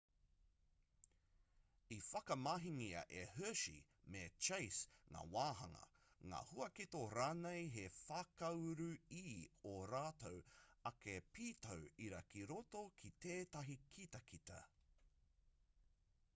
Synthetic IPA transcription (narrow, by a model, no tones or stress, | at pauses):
ifɐkɐmaɦiŋiɐ̰ʔehøʃḭ | met͡ʃejsŋa̰ːwaːɦɐŋɐ̰ŋa̰ːhuɐkitoɾaːnejɦefakɐwɾʉiːoɾaːtowɐkepiːtʰowiɾɐkiɾotokʰiteːtɐɦikʰitɐkʰitɐ̰